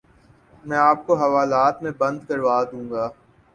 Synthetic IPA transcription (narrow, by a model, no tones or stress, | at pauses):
mɛ̃ːaːp̚koɦɐʋaːlaːt̪mẽbɐ̃nd̪kɐɾʋaːd̪ũːŋɡaː